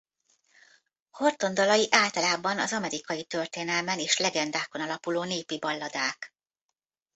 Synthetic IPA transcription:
ho̞rt̪o̞nd̪ɒlɒjiʔaːlt̪ɒlaːbɒnɒzɒmɛɾikɒjit̪ø̞rt̪eːnɛlmɛneːʃlɛɡɛnd̪aːko̞nɒlɒpuloːneːpibɒlːɒd̪aːk

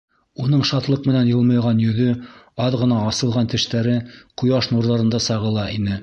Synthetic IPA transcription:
unɤɴʃɑt̪lˠɤqmɘ̆nænjɤ̆lˠmɤjʁɑnjɵ̆ðɵɑðʁɤ̆nɑːsɤ̆lˠʁɑnt̪ɘ̆ʃt̪æɾɘqŭjɑʃnuɾðɑɾɤ̆nd̪ɑsɑʁɤ̆lˠɑʔinɘ

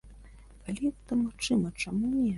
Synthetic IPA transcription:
kalʲiɛt̪ɐmaxt͡ʂɨmɐt͡ʂamunʲɛ

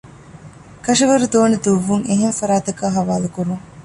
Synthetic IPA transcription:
kɐʃɐʋɐɾud̪oːned̪uʋːuŋeɦemfɐɾaːt̪ɐkaːɦɐʋaːlukuɾuŋ

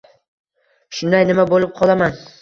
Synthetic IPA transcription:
ʃʊnd̪ajnɪmabolˠɪp̚qʰɒlˠaman

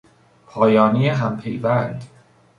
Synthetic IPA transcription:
pʰɒːjɒːnijeɦæmpʰejvænd̪̥

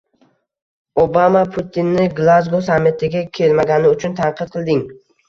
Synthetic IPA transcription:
obamapʰʊt̪ʰɪnːɪɡlˠazɡosamːɪt̪ʰɪɡʲakʲʰe̞lmaɡʲanɪʊt͡ʃʰʊnt̪ʰaɴqʰɨt̪̚qʰɨlˠd̪ɪŋ

